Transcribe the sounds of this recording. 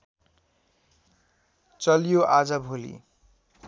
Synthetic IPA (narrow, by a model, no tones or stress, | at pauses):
t͡sʌlijoʔad͡zʌbʱolḭ